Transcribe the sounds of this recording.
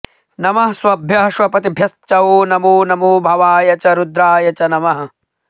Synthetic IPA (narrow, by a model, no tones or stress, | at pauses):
nɐmɐɦswɐbʱjɐɦɐʃwɐpɐt̪ibʱjɐst͡ʃɐoːnɐmuːnɐmuːbʱɐʋaːjɐt͡ʃɐɾud̪ɾaːjɐt͡ʃɐnɐmɐɦɐ